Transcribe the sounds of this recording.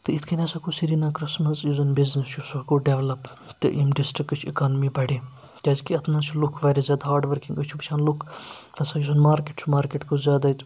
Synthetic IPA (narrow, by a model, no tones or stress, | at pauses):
t̪ɨit̪ʰkʰinʲɐsakusiɾiːnãːkɾɪsmɐsjizɐnbiznesjusɐkoɖeʋlɐp | t̪ɨ̰ʔimɖisʈɾikt͡ʃʰikaːnmibɐɽeː | k̪ʲaːzkiɐt̪ʰnaːt͡ʃʰulukʰʋaːɾizʲjaːd̪aɦaːɾɖʋɐɾkiŋɡɐt͡ʃʰubt͡ʃʰaːnlukʰt̪ɐsaːjusɐnmaːɾkeʈt͡ʃʰumaːɾkeʈkozʲjaːd̪at̪